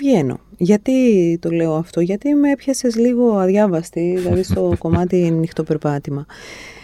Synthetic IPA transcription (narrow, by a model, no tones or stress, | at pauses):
ʝeno̞̰ʝɐt̪it̪o̞le̞o̞ɐft̪o̞ʝɐt̪imeepçɐsezliɣo̞ɐðʝɐvɐst̪iðilɐðist̪o̞ko̞mɐt̪inixt̪o̞pe̞ɾpɐt̪imɐ